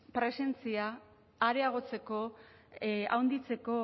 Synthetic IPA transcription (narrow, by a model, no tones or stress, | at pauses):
pɾe̞se̞nt͡siaː | ɾeaɣ̞o̞t͡se̞ko̞ | a̰wnd̪it͡se̞ko̞